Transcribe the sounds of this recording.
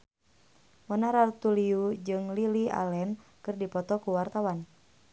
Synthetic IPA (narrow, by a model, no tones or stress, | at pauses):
mɔnaɾart̪uliud͡ʒɨŋlilia̰lɛnkɨrdipɔt̪ɔkuwart̪awan